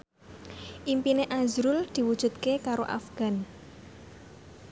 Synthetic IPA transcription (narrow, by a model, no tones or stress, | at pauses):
ʔimpineʔazɾʊld̪̥i̤wud̥ʒ̥ṳt̪̚kekaɾoʔa̰fɡ̥a̤n